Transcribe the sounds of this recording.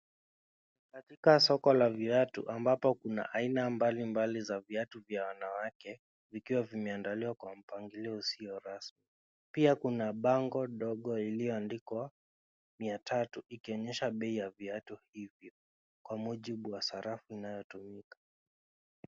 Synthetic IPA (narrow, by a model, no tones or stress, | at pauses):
katikasɔkɔlaviatṵʔambapɔkuna̰ʔainambalimbalizaviatuvjawanawakɛ | vikiwavimɛandaliwakwam̩paŋɡiliɔusijɔɾasmi | piakunaɓaŋɡɔɗɔɠɔilijɔandikwa | miatʰatuʔikiɔɲɛʃaɓɛijaviatuhivjɔ | kwamuʄiɓuwasaɾafuinajɔtumikḁ